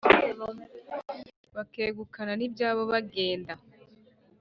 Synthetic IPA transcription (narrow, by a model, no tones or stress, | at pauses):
βakeːɡukananibjaːβo̞βaɡe̞ːnda